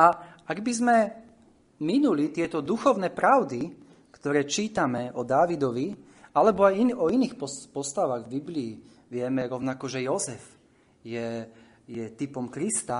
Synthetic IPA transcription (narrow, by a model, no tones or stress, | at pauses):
aaɡbizmɛ | minulit̪ɪɛt̪ɔd̪uxɔʊnɛːpɾaʊd̪i | kt̪ɔɾɛːt͡ʃiːt̪amɛɔd̪aʋid̪ɔʋi | alɛbɔajinɔiniːxpɔpɔst̪aʋaɣvbibliː | ʋɪɛmɛɾɔʊnakɔʒɛjɔzɛf | jɛ | jɛt̪ipɔmkɾist̪a